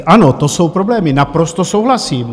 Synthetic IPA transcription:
ʔano̞t̪oso̞wpɾo̞blɛːmɪnapɾo̞st̪o̞so̞wɦlasiːm

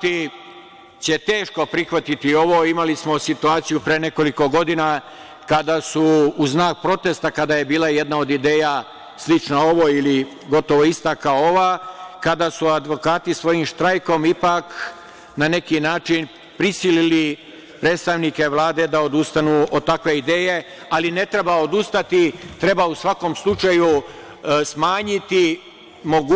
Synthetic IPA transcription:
t̪i | t͡ɕe̞t̪e̞ːʃko̞pɾixʋat̪it̪io̞ʋo̞imalismo̞sit̪uaːt̪sijupɾeːne̞ko̞liko̞ɡo̞d̪ina | kad̪asuːznaːk̚pɾo̞t̪e̞st̪akad̪aːje̞biːlajed̪nao̞d̪id̪e̞ːja | slit͡ʃnao̞ʋo̞ili | ɡo̞t̪o̞ʋoist̪akaooʋaːkad̪aːsuad̪ʋo̞kaːt̪isʋo̞jimʃt̪ɾajko̞mipak | nane̞kinaːt͡ʃin | pɾisilili | pɾe̞t̪st̪aʋnike̞ʋlˠaːd̪e̞d̪ao̞d̪ust̪anuːod̪̚t̪akʋe̞id̪e̞ːje̞ | aline̞t̪ɾe̞baod̪ust̪at̪it̪ɾe̞bausʋakomslˠut͡ʃaju | smaːɲit̪i | moɡ

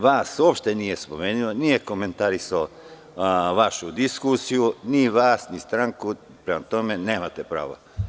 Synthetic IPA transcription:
ʋaːsuopʃt̪enije̞spo̞̰meːnionije̞ko̞me̞nt̪aɾisao | ʋaʃud̪iskusijuniʋaːsnist̪ɾaŋku | pɾemat̪o̞me̞ne̞ːmat̪epɾa̰ːʋa̰

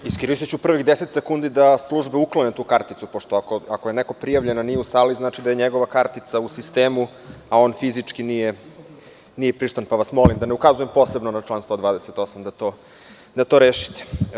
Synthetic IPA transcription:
iskiɾiset͡ɕupr̩ʋiɣd̪eset̪sekund̪id̪aslˠuʒbeuklˠonet̪uːkaɾt̪it̪supoʂt̪oakoakoje̞neko̞pɾijaʋʎe̞nanijeusaliznaːt͡ʃid̪aje̞ɲeɡo̞ʋakaɾt̪it̪sausist̪eːmu | ao̞ːnfizit͡ʂkinije | nijepɾiʂt̪anpaʋasmo̞limd̪aneukazujempo̞ːsebnonat͡ʂlaːnst̪o̞d̪vaːd̪eset̪osamd̪at̪o | d̪at̪oɾeːʃi̥t̪e̥

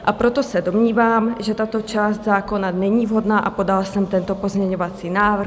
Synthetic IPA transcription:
ʔapɾo̞t̪osɛdo̞mɲiːvaːmʒɛt̪at̪o̞t͡ʃaːst̪zaːko̞nanɛɲiːvɦo̞dnaːʔapo̞dalsɛmt̪ɛnt̪o̞po̞zmɲɛɲo̞vat͡siːnaːvr̩

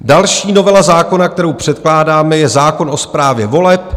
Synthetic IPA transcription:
dalʃiːno̞vɛlazaːko̞nak̚t̪ɛɾowpr̝̥ɛt̪klaːdaːmɛjɛzaːko̞nʔo̞spɾaːvjɛvo̞lɛp

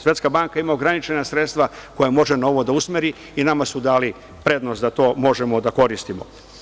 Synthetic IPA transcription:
sʋe̞t̪skabaŋkaimaoɡɾanit͡ʃe̞nasɾe̞t̪st̪ʋako̞jemo̞ʒeno̞ʋo̞d̪ausmeɾi | inamasud̪aːli | pɾe̞d̪nost̪d̪at̪o̞ːmo̞ʒe̞mo̞d̪ako̞ɾist̪imo̞̰

